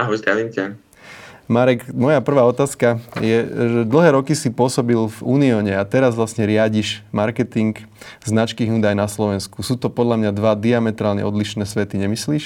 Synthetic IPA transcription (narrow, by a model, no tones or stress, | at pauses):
aɦɔjzd̪ɾaʋimcɛ | maɾɛkmɔjapr̩ʋaːɔt̪aːskajɛʒɛd̪l̩ɦɛːɾɔkisipʊɔsɔbilvuːniɔːɲɛat̪ɛɾazʋlasɲɛɾɪaɟiʃmaɾkɛt̪iŋk | znat͡ʃkiːɦuːd̪ajnaslɔʋɛnskusuːt̪ɔpɔd̪ʎamɲad̪ʋad̪iamɛt̪ɾaːlɲɛ̰ɔd̪liʃnɛːsʋɛt̪iɲɛmisliːʃ